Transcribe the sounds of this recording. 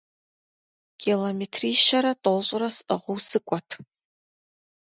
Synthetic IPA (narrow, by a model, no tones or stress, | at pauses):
kʲʰilomeːtʰriːʃɐɾɐtʼoɕʼɪrɐsʔɨʁʷʊwsɨkʷʼɔtʰ